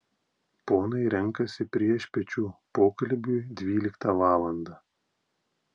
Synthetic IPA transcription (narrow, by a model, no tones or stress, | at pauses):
poːnɐɪɾʲɛŋkɐsʲɪpʲɾʲiɛʃʲpʲɛt͡ʃʲuːpoːkɐlʲˑbʲʊːd̪ʲʋʲiːlʲɪkt̪ɐʋɑːlˠɐnd̪ɑː